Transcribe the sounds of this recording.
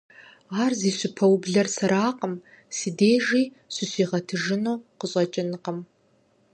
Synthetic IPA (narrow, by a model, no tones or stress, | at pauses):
aːrziːɕɪpʰɐwbɮɐrsɐɾaːqəm | sɨdeːʒiː | ɕʷɪɕiːʁɐtʰɨʒɪnuwqəɕʼɐt͡ʃʼɪnɨqəm